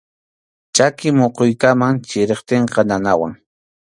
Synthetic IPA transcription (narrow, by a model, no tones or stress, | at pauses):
t͡ʃakɪmoqojkamaŋt͡ʃɪɾeχt̪eɴqɑnanawa̰ŋ